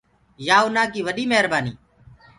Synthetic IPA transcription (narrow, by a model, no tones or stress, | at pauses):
jaːʊnaːkiːʋəɗiːmeɦəɾbaːnḭː